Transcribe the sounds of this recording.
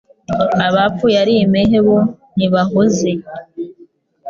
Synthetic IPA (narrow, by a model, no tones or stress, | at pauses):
aβap͡fujaɾimeɦeβo | niβaɦoze